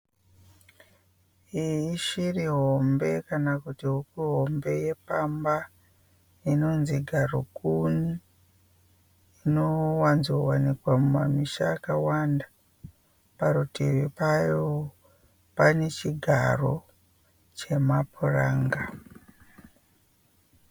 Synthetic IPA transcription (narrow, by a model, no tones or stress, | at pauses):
iiʃiriɦo̞mbe̞kanakutiɦukiɦo̞mbe̞je̞pamba | ino̞nziɡʱaro̰kuni | inowanzowanikwamumamiʃaːkawandḁ | parutiwipajo | pane̞t͡ʃiɡʱaro̞ | t͡ʃe̞mapuraːŋɡa